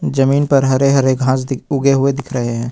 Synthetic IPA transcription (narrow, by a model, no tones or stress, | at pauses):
d͡ʒəmiːnpɐɾɦɐɾeɦɐɾeɡʱãːsd̪ɪʊɡeɦʊed̪ɪkʰɾəɦeɦɛ̃ː